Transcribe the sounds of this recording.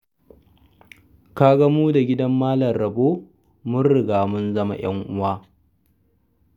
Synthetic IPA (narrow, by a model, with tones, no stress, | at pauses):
kaː˦ɡɐ˦muː˦da˨ɡʲɪ˦dɐ˦mːaː˦lɐ˨rːɐ˨boː˦ | mʊ˦nɽɪ˨ɡaː˨mʊ˦nzɐ˦ma̰˨˦j̰ɐ̰˦ŋʔʊ˦waː˦